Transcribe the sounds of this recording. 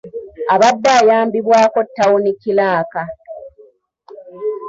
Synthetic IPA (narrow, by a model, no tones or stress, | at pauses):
aβadːaːjaːmbiβwaːko̞tːawunikːilaːka